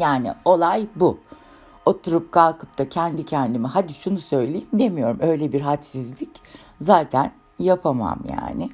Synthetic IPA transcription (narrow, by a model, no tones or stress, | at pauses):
jaːnɪ̰o̞lˠajbu | o̞t̪ʰuɾup̚kʰalˠkʰɯ̥p̚t̪ʰacʰɛnd̪icʰɛnd̪imiɦad̪iʃunusø̞jlʲejimd̪e̞mijo̞ɾumø̞jlʲebiɾɦat̪sizlʲic | zaːt̪ʰæn | japʰama̰mja̰ːnɪ